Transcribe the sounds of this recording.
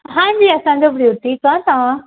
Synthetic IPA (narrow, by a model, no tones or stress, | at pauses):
ɦãːd͡ʑiːɐsãd͡ʑobɽiʊt̪ikãt̪ɐʋã